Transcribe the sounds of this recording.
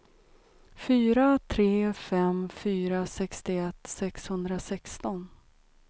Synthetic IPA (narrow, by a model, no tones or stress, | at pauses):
fyːɾat̪ʰɾeːfɛmfyːɾasɛkst̪ɪɛt̪ːsɛkshɵnd̪ɾasɛkst̪ɔn